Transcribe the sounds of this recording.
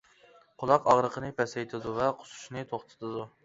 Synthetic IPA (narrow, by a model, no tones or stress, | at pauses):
qʰʊlˠɑqɑʁɾəqʰənɨpʰɛsɛjt̪ʰɪd̪uvɛqʰʊ̥su̥ʃnɨt̪ʰoχt̪ʰɨ̥t̪ʰɨd̪u